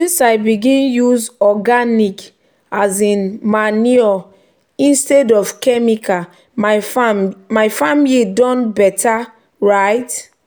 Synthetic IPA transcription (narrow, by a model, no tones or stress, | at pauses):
sĩnsaɪbiɡĩnjuzɔɡanik | azĩnmaniɔ | ĩnstɛdɔfkɛmika | a | majfamilidɔ̃nbɛtʰa | ɹaɪt